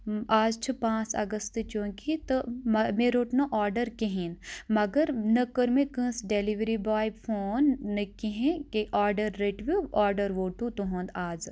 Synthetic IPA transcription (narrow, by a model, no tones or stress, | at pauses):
aːd͡ʒt͡ʃʰipãːt͡sɐ̰ɡəst̪t͡ʃõːkit̪omɐmeːɾoːʈnõʔaːɾɖəɾkeɦĩːnmɐɡəɾnɐkəɾmẽkə̃ːsɖeliʋɾibaːjbfʰoːnːəkiɦẽkeʔaːɾɖəɾːeʈʋuaːɾɖəɾʋoːʈut̪uɦõːnd̪aːd͡ʒ